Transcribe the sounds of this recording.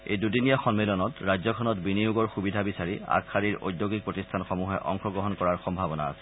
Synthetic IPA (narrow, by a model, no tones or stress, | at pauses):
ḛjdudinijaxɔnmelɔnɔtɹajzɔkʰɔnɔtbinijuɡɔɹxubidʱabisaɹia̰kʰːaɹiɹo̰jdjoɡik̚pɹotistʰanxɔmuɦɛʔɔŋxɔɡɔɦɔnkɔɹaɹxɔmbʱabɔna̰a̰sɛ̥